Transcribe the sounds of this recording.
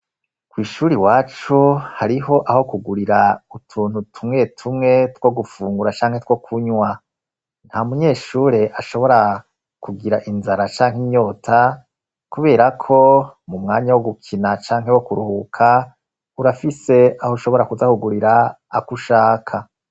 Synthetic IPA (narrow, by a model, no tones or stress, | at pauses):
kwiːʃuːɾiwaːt͡ʃuhaɾiɦo̞ʔaho̞kuɡuɾiɾautʰuːn̥hutʰumŋe̞tʰumŋe̞two̞ɡufuːŋɡuɾat͡ʃaːŋhe̞two̞kʰuɲwa | n̥hamuɲe̞ːʃuːɾe̞ʔaʃo̞βo̞ɾa | kuɡiɾaʔinzaɾat͡ʃaːŋhiɲo̞ːtʰa | kuβe̞ːɾakʰo̞mumŋaːɲawo̞ɡukʰinat͡ʃaːŋɦe̞wo̞kuɾuhukʰa | uɾafise̞ahoʃo̞βo̞ɾakuzahuɡuɾiɾaː | kuʃaːkʰa